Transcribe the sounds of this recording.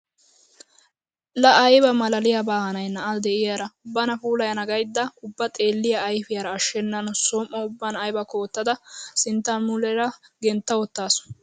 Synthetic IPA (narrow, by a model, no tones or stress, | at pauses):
lɐɐjbɐmɐlɐlɪjɐbaːhɐnɐjnɐʔɐd̪ɛɪjaɾɐbɐnɐfuːlɐjɐnɐɡɐjd̪ːɐʊbːɐt̪ʼe̞ːlːɪjɐːjfɪjaɾɐːʃːɛnːɐnsoːmʔːɐʊbːɐnɐjbɐko̞ːt̪ːɐd̪ɐsɪnt̪ːɐnmʊlɛɾɐɡɛnt̪ːɐwɔt̪ːaːsɔ̥